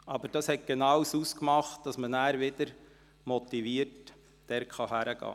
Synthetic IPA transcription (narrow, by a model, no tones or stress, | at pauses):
ʔɑbəɾd̥ɑshɛt̚ɡ̥enɑwsuːskmɑχt̚d̥ɑsmənæːɾʋɪd̥əɾ | mɔt̪iʋiːəɾt | d̥ɛɾkχɑɦæɾəɡ̥ɑ̰ː